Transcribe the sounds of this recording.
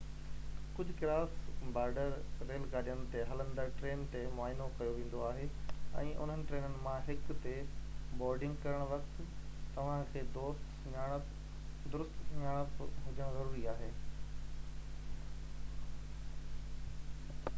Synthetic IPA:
kʊd͡ʑʱʊkɪɾaːsbaːɾɖəɾːeːlɡaːɗijənɪ̆t̪eɦɐlə̃nd̪əɾʈɾeːnt̪emʊaːɪnokɐjoʋẽːn̆d̪oaːɦeːɛ̰̃ːʔʊ̰n̤ɦənɪ̆ʈɾeːnənɪ̆mãɦɪkt̪ebɔːɾɖɪ̃ŋɡkɐɾəɽ̃ʋɐkt̪t̪ɐʋ̤ãkʰeːd̪oːst̪ | ɲaːɽ̃əp | d̪ʊɾʊst̪ɲaːɽ̃əpɦʊd͡ʑəɽ̃zɐɾuːɾiaːɦeː

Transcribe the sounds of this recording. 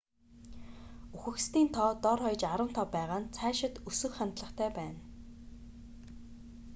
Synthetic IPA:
uxɘ̆kst̪iːnt̪ʰɔːt̪ɔrχɔjt͡ɕaɾə̆n̥t̪ʰɔpːæːʁaːnt͡sʰæːʃɪ̆t̪ɵsɵ̆xχant̪ɮə̆χt̪ʰæːpæːn

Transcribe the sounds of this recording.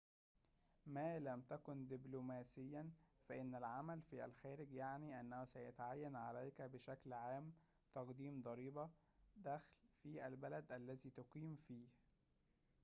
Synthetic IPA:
mæːlæmt̪ækʊnd̪ɪblomæːsɪjːænfæʔɪnːælʕamælfiʔæ̰lxæːɾɪɡjaʕniːʔænːæhusæjat̪aʕajːænʕalæjkæbɪʃæklʕaːm | t̪ɑqd̪iːmd̪ˤɑɾiːbæ | d̪æxlfiʔælbælæd̪ʔælːæziːt̪ʊqiːmfiːh

